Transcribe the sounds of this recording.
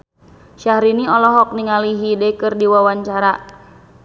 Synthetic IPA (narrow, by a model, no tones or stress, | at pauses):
ʃahɾiniɔlɔɦɔk̚niŋaliɦidɛkɨrdiwawaɲt͡ʃaɾa